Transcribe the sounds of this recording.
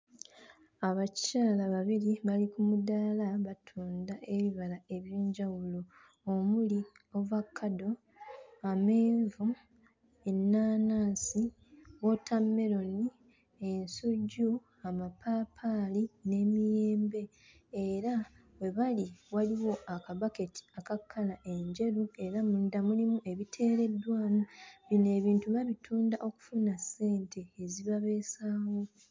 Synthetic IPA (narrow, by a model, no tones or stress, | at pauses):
aβaccaːlaβaβiliβalikumudalaβatʰuːndaʔe̞βiβalae̞βjeːɲɟawulo̞ː | muli | o̞vakʰːado̞ | ame̞ːɱvu | enːaːnaːsi | wo̞tʰamːe̞ɾo̞ni | e̞nsuɟːu | amapʰaːpʰaline̞ːmije̞ːmbe̞ | eɾa | we̞βaliwaliwo̞ʔakaβake̞tʰi̥akakʰːalaʔe̞ɲɟe̞ɾue̞ɾamudamulimuʔe̞βitʰe̞ːɾe̞dːwaːnaβine̞ːβiːntuβaβitʰuːndaʔo̞ku̥funasːe̞ːntʰe̞ːziβaβe̞ːsaːwo̞